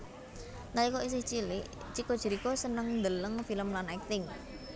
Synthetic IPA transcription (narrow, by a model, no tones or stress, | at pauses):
nalikois̬ɪht͡ʃilɪʔ | t͡ʃiko̥ʒ̥ə̤ɾikosənəŋnd̪ələŋfiləmlanak̚t̪ɪŋ